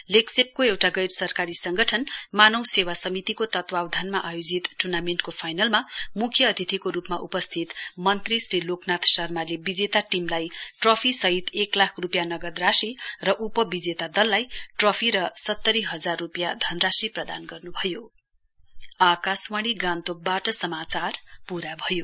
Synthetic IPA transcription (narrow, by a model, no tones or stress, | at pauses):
leksep̚koewʈaɡʌjrsʌrkaɾisʌŋɡʌʈʰʌnmanʌwsewasʌmit̪ikot̪ʌt̪wawd̪ʱanmaʔajod͡zit̪ʈurnameɳʈkopʰajnʌlmamukʰjʌːd̪ʱit̪ʰikoɾupmaʔupʌst̪ʰit̪mʌnt̪risriloknat̪ʰsʌrmalebid͡zet̪aʈimlajʈropʰisʌɦit̪eklakʰrupjanʌɡʌd̪rasirʌʔupʌbid͡zet̪ad̪ʌlːajʈropʰiɾʌsʌt̪ːʌɾiɦʌd͡zarːupjad̪ʱʌnrasiprʌd̪a̰nɡʌrnubʱʌjo | akaswaɽ̃iɡãnt̪ok̚baʈʌsʌmat͡sarpuɾabʱʌjo